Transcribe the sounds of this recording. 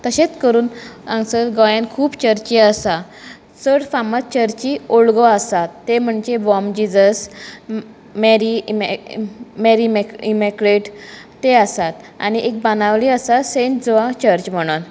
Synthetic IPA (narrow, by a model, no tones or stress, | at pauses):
t̪əɕet͡skəɾuːnãŋsəɾɡɔjãnkʰuːpt͡ɕəɾt͡ɕiəsa | səɽfamat̪̚t͡ɕəɾt͡ɕioɭɡɔəsat̪ːem̤əɳd͡ʑebɔmd͡ʑid͡zəs | meɾim | meɾimeimekɾeʈ | t̪eəsat̪ | a̰niʔek̚banaʋliəsasẽnʈd͡zɔʋat͡ɕəɾt͡ɕm̤əɽ̃uːn